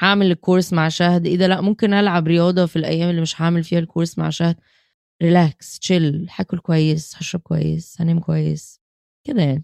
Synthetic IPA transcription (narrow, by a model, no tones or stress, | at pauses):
ħaʕmelekːoːɾsmaʕʃæhd̪ʔiːd̪ælæʔmomkenʔælʕabɾejɑːd̪ˤɑfilʔæ̰jːæːmelːimeʃħaʕmelfiːhælkʰoːɾsma̰ʕʃæhd̪̚ | ɾilæːkst͡ʃelħaːkolkowæjːesħæʃːæb̚kowæ̰jːḛsænæːmkowæjːḛs | ked̪æjaʕni